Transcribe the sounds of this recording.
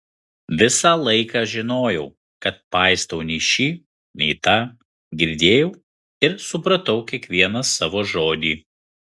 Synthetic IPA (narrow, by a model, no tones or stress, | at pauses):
ʋʲɪsɑːlˠɐɪkɑːʒʲɪnoːjɛʊ | kɐt̪̚pɑˑɪst̪ɐʊnʲɛʃʲiː | nʲɛɪt̪ɐ | ɡʲɪɾʲd̪ʲeːjɛʊ | ɪɾsʊpɾɐt̪ɐʊkʲiɛkʋʲiɛnɐsɑːʋoːʒoːd̪ʲiː